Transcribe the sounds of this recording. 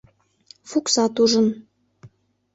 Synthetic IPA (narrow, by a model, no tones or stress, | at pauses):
fuksɑt̪uʒə̆n